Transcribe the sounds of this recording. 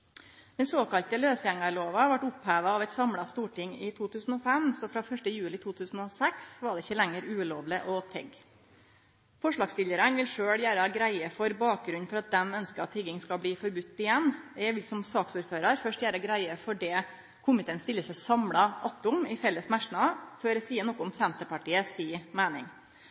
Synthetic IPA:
d̪̥ɛnsoːkɑlt̪əløːsjæŋɑɾɭoːʋɑʋɑʈʊphæːʋɑɑʋɛɪt̪sɑmɽɑst̪uːʈɪŋɪt̪ʰuːt̪ʰʉːsn̩ɔfɛmsɔfɾɑfœʂʈəjʉːlɪt̪ʰuːt̪ʰʉːsn̩ɔsɛksʋɑɖɛɪçːəlæŋəɾʉːloːʋlɪʔɔt̪ʰɛ̰ɡ | fɔʂɭɑːɡst̪ɪləɾənʋɪlʂøːɭjæːɾəɡɾæɪəfɔɾbɑːk̚ɡɾʉnːfɔɾɑt̪̚d̪ɛmœnskəɾɑt̪ʰːɪɡɪŋskɑbliːfɔɾbʉt̪ːɪjɛnːɛʋɪlsɔmsɑːksuːɾføːɾɑɾfœʂʈjæːɾəɡɾæɪəfɔɖɛ | kʰʊmɪt̪eːnst̪ɪlːəsəsɑmɽɑʔɑt̪ːʊmɪfɛlːəsmæʂɳɑføːɾəsiːənɔkːʊmsɛnt̪əpɑʈiːəsiːmæɪnɪ̰ŋ

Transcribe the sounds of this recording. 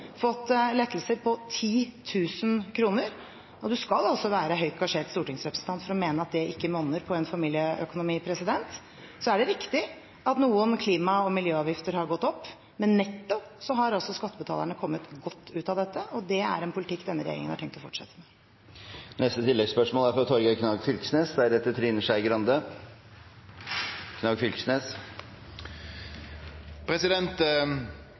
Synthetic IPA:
fɔt̪ːlɛt̪ːl̩səɾpʰɔt̪ʰiːt̪ʰʉːsənkʰɾuːnəɾ | ɔd̪ʉskɑlɑlsɔʋæːɾəɦœʏt̪ɡɑʂeːɾʈ̪st̪uːʈɪŋsɾɛpɾəsn̩t̪ʰɑnt̪fɔɾɔmeːnəɑt̪̚d̪ɛʔɪkːəmɔnəɾpʰɔɛnfɑmiːlɪjəœkʊnʊmiːpʰɾɛsɪd̪ɛnt̪ | sɔæɖɛɾɪkt̪ɪ | ɑt̪nuːənkʰliːmɑɔmɪljøːɑːʋjɪft̪əɾhɑɾɡɔt̪ːɔpː | mɛnːɛt̪ːɔpsɔɦɑɾɑlsɔskɑt̪ːəbət̪ʰɑ̰ləɳəkʰɔmːət̪ɡɔt̪ːʉːt̪ɑd̪ɛt̪ːəʔɔd̪ɛæ̰ɾɛnpʰʊlɪt̪ʰɪkːd̪ɛnːəɾɛ̰jḛɾɪ̰ŋənhɑʈʰɛŋk̚t̪ɔfɔʈʂɛ̰t̪ːəmɛ | nɛst̪ət̪ʰɪlːɛɡspœʂmoːlæɾfɔɾɑt̪ʰɔɾɡəkʰnɑːɡfʏlksneːsd̪ɛæɖ̪ɛt̪ːət̪ʰɾiːnəʂæɪɡɾɑnd̪ə | kʰnɑːɡfʏlksneːs | pʰɾɛsɪd̪ɛnt̪

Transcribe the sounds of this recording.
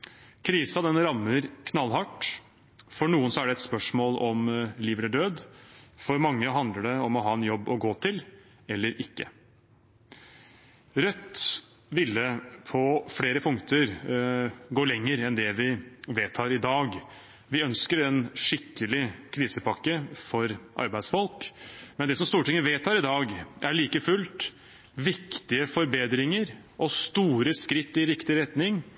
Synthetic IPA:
kʰɾiːsɑd̪ɛnːəɾɑmːəɾkʰnɑlːɦɑʈ | fɔɳuːənsɔæɖɛɛt̪spœʂmoːlɔmliːʋɛləɖøːd̪fɔɾmɑŋːəɦɑnd̪ləɖɛɔmɔɦɑːɛnjɔbːɔɡoːt̪ʰɪl | ɛlːəɾɪkːə̰ | ɾœt̪ː | ʋɪlːəpʰɔfɽeːɾəpʰʊŋkt̪ʰəɾ | ɡoːɭɛŋːəɾɛnd̪ɛʋɪʋeːt̪ʰːɑːɾɪd̪ɑːɡ | ʋɪœnskəɾɛnʂɪkːəlɪkʰɾiːsəpɑkːəfɔɾʔɑ̰ɾbæɪd̪sfɔlkmɛnd̪ɛsɔmst̪uːʈɪŋːəʋeːt̪ʰːɑːɾɪd̪ɑːɡʔæɭiːkəfʉlt̪ | ʋɪkt̪ɪəfɔɾbeːd̪ɾɪŋəɾ | ʔɔst̪uːɾəskɾɪt̪ːɪɾɪkt̪ɪɾɛt̪nɪŋ

